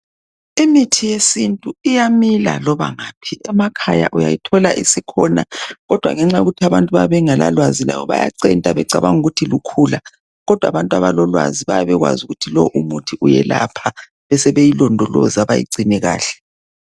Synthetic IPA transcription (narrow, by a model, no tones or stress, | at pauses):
imitʰijesintʼuijamila̰lɔβa̰ŋaːpʰiɛmakʰaja̰ʔujajitʰɔlaʔisikʰɔna̰ɣɔd̥ʱwa̰ŋɛŋ͡ǁajoɣutʰiaβantʼuβaβɛŋala̰lwazila̰βɔβa̰ja̰ǀɛntʼaβɛǀaβaŋuɣutʰilukʰula | ɣɔd̥ʱwaβantʼwaβalɔlwa̰ziβajaβɛɣwa̰zuɣutʰilɔʔumutʰiʔujɛla̰pʰa | βɛsɛβejilɔndʱɔlɔ̰zaβajḭǀʱinɛɣa̰ːɬɛ̥